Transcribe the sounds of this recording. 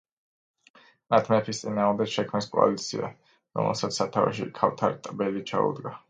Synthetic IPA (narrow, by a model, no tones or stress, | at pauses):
mat̪ʰmɛpʰist̪sʼinaːmd̪ɛkʃɛkʰmniskʼɔa̰lit̪sʰia̰ | ɾɔ̰mɛ̰lˠsat̪ssːat̪ʰavɛ̰ʃ̬ḭkʰaft̪ʰaɾit̪ʼbɛlit͡ʃʰa̰ṵd̪ɡa